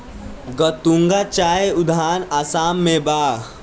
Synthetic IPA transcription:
ɡət̪ũŋɡat͡ʃaːeʊd̪ʱaːnasaːmːẽbaː

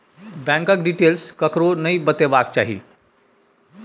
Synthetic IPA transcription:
bɛ̃ŋkək̚ɖiʈelskəkɾonəjbət̪ebak̚t͡ʃa̰ɦḭ

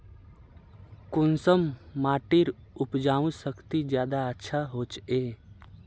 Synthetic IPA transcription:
kʊnsəmːaːʈɪɾʊpd͡ʒaːũsəkt̪id͡ʒjaːd̪aətːʃʰaɦoːt͡ʃeː

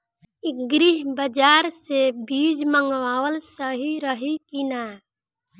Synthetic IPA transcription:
ɪɡɾiɦbəd͡ʒaːɾsebiːd͡ʒməŋɡwaːwəlsəɦiɾəɦikinaː

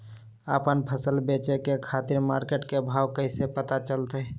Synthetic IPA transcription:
əpənpʰəsəlbet͡ʃekekʰat̪iɾmaːɾkeʈkebʱaːwkəɪsepət̪at͡ʃəlt̪ə

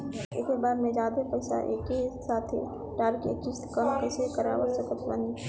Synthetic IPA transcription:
eːkebaːɾmẽd͡ʒaːd̪epɛɪsa̰ʔeːkesaːt̪ʰḛ | ʈaːɾkḛːkist̪kəmpɛsekəɾa̰osəkət̪ʰʋa̰ːni

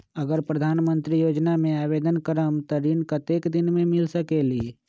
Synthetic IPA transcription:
əɡəɾpɾəd̪ʱaːnmə̃nt̪ɾijoːd͡ʒnamẽaːbeːd̪ənkəɾəmt̪ɔɾinkət̪eːkd̪ɪnmẽmɪlsəkeli

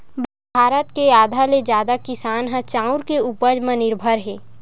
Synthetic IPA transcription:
b | bʱaːɾət̪keaːd̪ʱaled͡ʒjaːd̪akɪsaːnɦãt͡ʃaːʊɾkeupəd͡ʒmẽnɪɾbʱəɾɦɛ̃ː

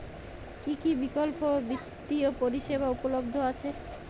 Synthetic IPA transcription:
kikibikolpobit̪ːiopoɾiʃeβaupolob̚d̪ʱoat͡ɕʰe

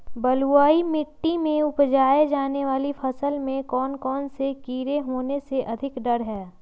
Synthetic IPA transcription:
bɐluaːimɪʈːimẽʊpd͡ʒaːed͡ʒaːneʋaːlifʰɐsəlmẽkɔːnkɔːnsekiːɾeɦoːneseʔɐd̪ʱɪkɖɐɾɦɛː

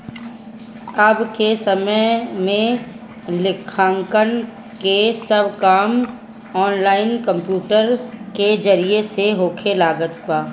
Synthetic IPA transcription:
əbkesəməmẽ | lɪkʰãːŋkən | kesəbkaːm | ɔːnlaːɪnkə̃mpjuːʈəɾked͡ʒəɾieseɦoːkʰelaːɡət̪baː

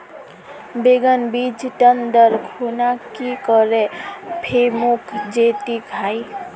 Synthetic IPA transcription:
beɡənbid͡ʒʈənd̪əɾkʰonakikɔɾepʰemukʰd͡ʒet̪iɡʰʱaj

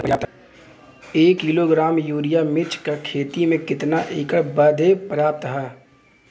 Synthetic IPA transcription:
pjaːp̚t̪ | eːkːiloɡɾaːmjuːɾɪjamɪt͡ʃkakʰeːt̪imẽkɪt̪naʔɪːkəɽbəd̪ʱepɾəjaːp̚t̪ɦɛː

